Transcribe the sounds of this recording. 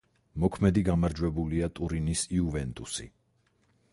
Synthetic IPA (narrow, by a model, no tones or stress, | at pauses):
mɔkʰmɛd̪iɡamaɾd͡ʒwɛbuliat̪ʼuɾinisiuvɛnt̪ʼusḭ